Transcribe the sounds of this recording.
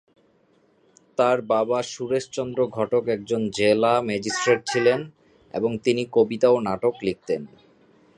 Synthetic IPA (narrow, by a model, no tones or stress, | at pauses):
t̪aɾbabaʃuɾeʃt͡ɕɔnd̪ɾoɡʱɔʈokɛk̚d͡ʑond͡ʑelamɛd͡ʑisʈɾeʈ̚t͡ɕʰilen | ḛboŋt̪inikobit̪aonaʈoklik̚t̪en